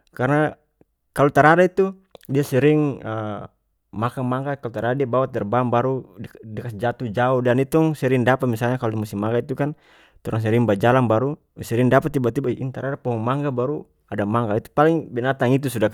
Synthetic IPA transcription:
karna | kalɔt̪aɾadait̪u | diasɛɾiŋə | makaŋmaŋɡakalɔt̪aɾadadiabawat̪̚d̪ɛrbambaɾudɛkasd͡ʒat̪ud͡ʒaɔhdanit̪ɔŋsɛɾiŋdapat̪̚misalɲakalɔmust̪ihmaŋɡait̪ukan | t̪ɔɾaŋs̬ɛɾiŋbad͡ʒalanbaɾu | sɛɾiŋdapat̪ːibat̪ibaʔint̪aɾadapɔɦɔŋmaŋɡabaɾu | adamaŋɡait̪u̥paliŋbɛnat̪aŋit̪usuda

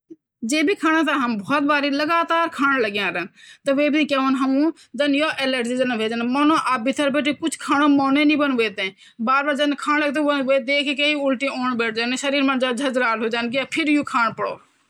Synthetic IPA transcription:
d͡ʒeːbʱiːkʰaːɽ̃ãːt̪̬ãːɦəmbʱɔːt̪̚baːɾiːləɡaːt̪aːɾkʰaːɽ̃ləɡjãːɾənt̪ɐʋeːbikeːʋonɦɐmũː | d͡ʒ̪ɐnjoːʔeːleʈzid͡ʒənʋeːd͡ʒənmoːnõːʔaːbɪt̪ʰəɾbeːʈiːpʊt͡ʃʰkʰaːɽoːmoːnẽːnĩːbənʋeːt̪ẽː | baːɾbaːɾd͡ʒɐnkʰaːnləɡt̪ẽːoʋeːd̪eːkʰekeːiʊlʈĩːoːɳbeːʈʰd͡ʒaːneʃəɾiːɾmãːd͡ʒad͡ʒʱɐd͡ʒɾaːlɦoːd͡ʒaːnkiapʰɪɾjuːkʰaːɽ̃pəɽo̰ː

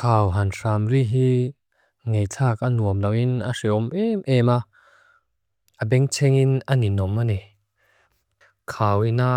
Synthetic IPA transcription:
kʰaːwɦansaːmriɦi | ŋejt͡sʰaːkanuəmlawinasiɔmɛmʔɛma | ʔabɛŋt͡sʰɛŋinaninɔmːanɛ | kʰaːwina

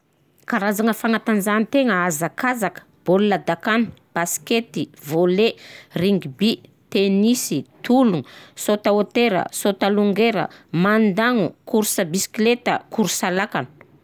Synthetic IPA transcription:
kaɾazaŋəfaŋat̪anzanit̪eŋəazakazakə̥b̥olulad̪akanu̥b̥asi̥ket̪ivoleriŋɡibi | t̪enisit̪uluŋusot̪aot̪eɾə̰sot̪aluŋɡeɾə̰mand̪aŋukuɾsəbisi̥klet̪əkuɾusalakanu̥

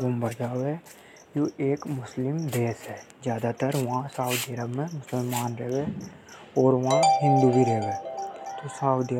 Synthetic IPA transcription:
ə̃mbəɾd͡ʒaːʋe | joʔeːkmʊslɪmd̪eːsɦɛː | zjaːd̪at̪əɾʋɐɦãsaːʊd̪iəɾəbmẽmʊsəlmaːnɾeɦʋe | ɔːɾʋɐɦãɦɪ̃nd̪ubʱiɾeɦʋeːt̪osaːʊd̪ij

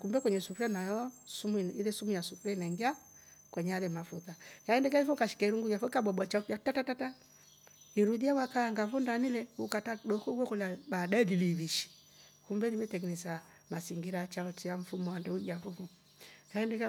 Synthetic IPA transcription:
kumbɛkwɛɲɛsufuɾɛnajɔsumilɛsumujasufuɾɛnaiŋɡiakwɛɲɛalɛmafutajaɛndɛk̬ɛifɔkaʃi̥kɛɾuŋɡuɲafɔikabɔbat͡ʃaatatatata | iɾuðiawakaːŋɡavundanilɛukatadɔkɔɡɛkɔlabadaɛliliβiʃi̥ | kumbɛlimɛtɛɡinɛsa | masiŋɡiɾat͡ʃaɔt͡ʃiaɱ̩fumɔandɛud͡ʒafuvu | jaɛndɛk

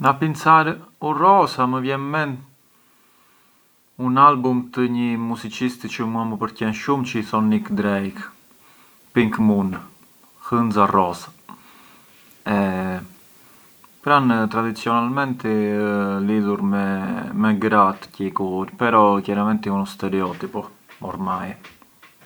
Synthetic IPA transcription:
napinsaɾurɔsaməvjɛnmɛn | unalbumt̪əɲəmuzit͡ʃist̪t͡ʃəmuaməpəɾcɛnʃumt͡ʃəiθɔnikd̪ɾɛjk | piŋkmun | hənzarɔsḁ | ɛ | pɾant̪ɾad̪it͡siɔnalmɛnt̪ɛliðuɾmɛmɛɡɾat̪cɛkuɾpɛɾɔcaɾamɛnt̪iunst̪ɛɾɛɔt̪ipɔ | ɔ̰ɾmaj

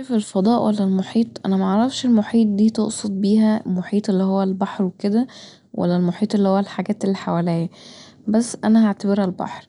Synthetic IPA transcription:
felfɑd̪ˤɑːʔwʔælːælmoħiːt̪ˤʔæ̰næmæʔɑʕɾˤɑfʃelmoħiːt̪̚ˤd̪iːt̪oʔsˤod̪̚ˤbiːhæmoħiːt̪ˤelːihowːælbɑħɾweked̪æ | wʔæ̰lːælmoħiːt̪ˤelːihowːælħaɡæːt̪elːiħawælæːjæ | bæsːʔænæaʕt̪æbeɾælbɑ̰ħɾ

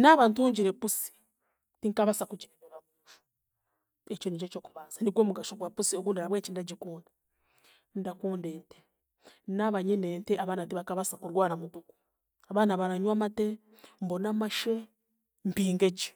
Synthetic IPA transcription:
naβaːntuɲɟiɾepusi̥ | tiŋkaβasakud͡ʒiɾeβeɾaβuʃu̥ | et͡ʃonit͡ʃet͡ʃoːku̥βaːsaniɡwo̞ːmuɡaʃoɡwapusioɡunleɾaβwet͡ʃindaɟikuːnda | ndakuːndeːnte̥ | naβaɲineːnteaβaːnatiβakaβasakuɾwaːɾamutuku̥ | aβaːnaβaɾaɲwamate | mbonamaʃe | mpiːŋɡeɟi̥

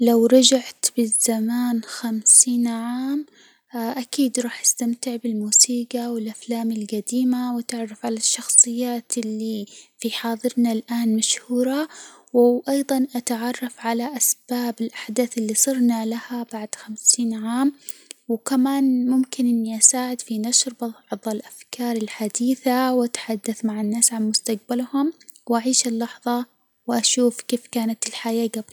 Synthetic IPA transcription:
lawɾˤɑd͡ʒaʕt̪bɪzamaːnxamsiːnʕaːm | ʔakiːd̪ɾˤɑːħʔɪst̪amt̪ɪʕbɪlmuːsiːɡawɪlʔaflaːmɪlɡad̪iːmawat̪ɪʕrˤːɑfʕalaʃːɑxsˤɨjːaːt̪ɪlːifiħɑːðˤɨɾnalʔaːnmaʃhuːɾɑwɪʔɑjðˤɑnʔat̪aʕɑrˤːɑfʕalaʔasb̥aːbɪlʔaħd̪aːθɪlːisˤɨɾnalahabaʕd̪̥xamsiːnʕaːmwkamaːnmʊmkɪnʔɪnːiʔasaːʕɪd̪finaʃɾbɑˤʕðˤɑlʔafkʰɑːɾˤɪlħad̪iːθawʔat̪ħad̪ːaθmaʕanːaːsʕanmʊst̪aq̚balhʊmwʔaʕiːʃɪlːɑħðˤɑ | wʔaʃuːfkeːfkaːnat̪ɪlħajaːɡabl

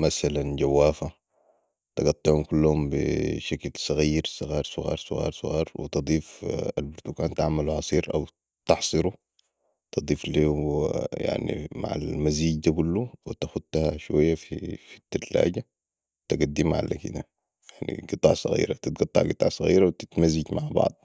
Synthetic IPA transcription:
masalanɟawːaːfa | t̪ɪɡɑt̪ˤːɑʕumkulːhumbḭʃaklsˤɑɣiːɾsˤɨɣɑːɾˤsˤʊɣɑ̰ːɾˤsˤʊɣɑ̰ːɾˤsˤʊɣɑ̰ːɾˤwḭt̪ɨd̪ˤiːfalbʊɾt̪ukaːnt̪aʕmaluhɑsˤiːɾʔa̰w | t̪ɑħsˤɨɾu | t̪ɨd̪ˤiːfliːwja̰ʕnḭma̰ʕa̰lmaziːɟd̪akulːuwt̪axut̪ːahaʃwajːafifi̥t̪ːallːa̰ːɟa | t̪aɡad̪ːimaʕa̰la̰kḭd̪a | jaʕnḭɡɨt̪ˤːɑ̰ːʕsˤɑ̰ɣḭːɾat̪it̪̚ɡɑt̪ˤːɑ̰ʕɡɨt̪ˤɑːʕsˤɑɣiːɾawt̪it̪mazːiɟmaʕbɑ̰ʕd̪̚ˤ

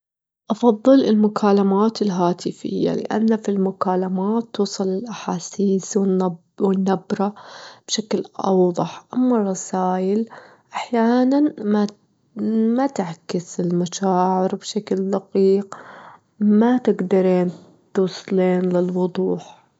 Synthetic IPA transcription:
ʔɑfɑðˤːɨlɪlmʊkʰaːlamaːt̪ɪlɦaːt̪ɪfɪ̰jːa̰lɪ̰ʔa̰nːafilmʊkaːlamaːt̪ːuːsˤɑlɪlʔaħaːsiːswɪn | wɪnːabɾɑb̥ʃaklʔɑ̰wðˤɑħʔamːɑrˤːɑsaːjɪl | ʔaħjaːnanma | mat̪aʕkɪsɪlmaʃaːʕɪɾbʃakld̪aqiːq | mat̪ɪɡd̪ɑɾiːn | t̪uːsˤleːnlɪlwʊd̪ˤuːħ

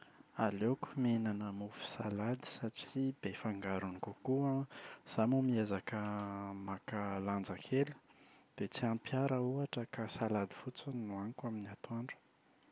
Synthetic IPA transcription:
aleku̥menanəmufu̥salad̪i̥saʈ͡ʂib̥efaŋɡaɾunikukuəz̥amumiezakəmakaland͡zakʰelu̥d̪̥et͡siampjaɾəuaʈ͡ʂəkasalad̪ifut͡sunnuankaminiat̪aɳɖ͡ʐu̥

